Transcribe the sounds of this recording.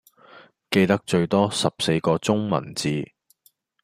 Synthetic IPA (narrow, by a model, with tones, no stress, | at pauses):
ke˧jt̪ɐ˥k̚t͡ʃɵ˧ɥt̪ɔː˥sɐ˨p̚se˧jkɔː˧t͡sʊ˥ŋmɐ̰˨˩nt͡siː˨˧